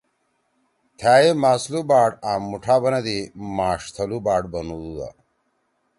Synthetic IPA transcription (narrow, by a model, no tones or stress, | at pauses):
t̪ʰaːjemaːslubaːʈaːmːuʈʰaːbɐnɐd̪imaːʂt̪ʰɐlubaːɖ̚bɐnud̪ud̪a̰